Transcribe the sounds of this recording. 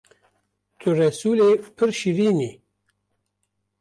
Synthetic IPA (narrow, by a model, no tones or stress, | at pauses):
t̪ʰuɾɐsulepʰəɾɕiɾini